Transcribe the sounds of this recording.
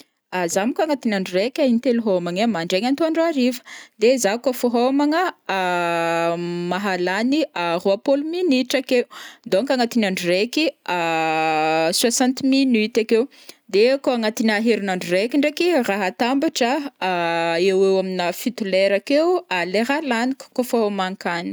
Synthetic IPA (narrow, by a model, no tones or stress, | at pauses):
azamikaŋat̪inaɳɖ͡ʐurekʲaint̪eluɦomaŋamaɳɖ͡ʐeŋant̪oaɳɖ͡ʐoaɾivə̥d̪ezakəfoɦomaŋə | maɦalaniaroapoluminiʈ͡ʂakew̪d̪oŋkaŋat̪inaɳɖ͡ʐurekia | swasãnt̪minyt̪akew | d̪ekoaŋat̪inaɦeɾinaɳɖ͡ʐurekiɳɖ͡ʐekiraɦat̪ambaʈ͡ʂə | ewewaminəfit̪ulɛɾakewaleɾalaniku̥kofoɦomaŋkani̥